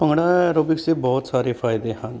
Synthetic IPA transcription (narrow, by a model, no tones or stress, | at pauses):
pəŋɡɽ̃aːɾoːbɪkseːbɔːt̪saːɾeːfʰaːɪd̪eːɦən